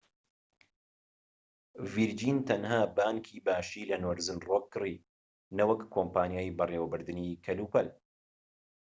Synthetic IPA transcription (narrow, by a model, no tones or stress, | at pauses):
viɾd͡ʒiːnt̪ʰɐnhaːbaːŋkʰiːbaːʃiːlɐnoɾzɨnroːkʰːɨri | nɐwɐkːoːmpaːnjaːjbɐreːwɐbɨɾd̪ɨniːkʰɐluːpɐl